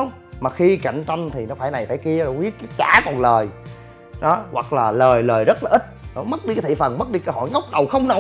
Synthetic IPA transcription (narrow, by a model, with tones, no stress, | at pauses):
maː˨˩xi˧ka̰˧˨jŋ̟t͡ɕa˧jŋ̟t̪ʰi˨˩nɔ˨˦faː˧˩jna˨˩jfaː˧˩jki˧ə˨˧˩wi˦˥ət̚kaː˨˦jt͡ɕa̰ː˧˦kɔ˨˩nləː˨˩j | ɗɔ˨˦wa˨˩k̚laː˨˩ləː˨˩jləː˨˩jzə˦˥t̚laː˨ʔï˦˥t̚nɔ˨˦mə˦˥t̚ɗi˧kːt̪ʰḭ˧˨fə˨˩nmə˦˥t̚ɗi˧kəː˧˩ɦɔ̰˧˨jŋə˦˥wk͡p̚ɗə˨˩wxə˧wŋ͡mno˧˦